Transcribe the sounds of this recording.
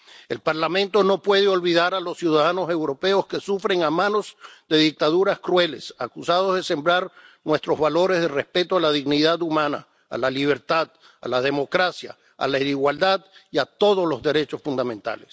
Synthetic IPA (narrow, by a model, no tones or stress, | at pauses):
e̞̰lpaɾlamẽnt̪o̞no̞pwe̞ðeo̞lβiðaɾalo̞sjuðaðano̞se̞wɾo̞pe̞o̞ske̞sufɾe̞ŋamãno̞zd̪e̞ðik̚t̪aðuɾaskɾwe̞le̞sakusað̞o̞zðe̞se̞mbɾaɾnwe̞st̪ɾo̞zβalo̞ɾe̞zðere̞spe̞t̪oalaðiɣniðaðumãna̰ | a̰laliβ̞e̞ɾt̪að | a̰laðe̞mo̞kɾasja̰ | a̰laiɾiɣwald̪aðiat̪o̞ð̞o̞slo̞zðe̞ɾe̞t͡ʃo̞sfund̪amẽ̞nt̪a̰les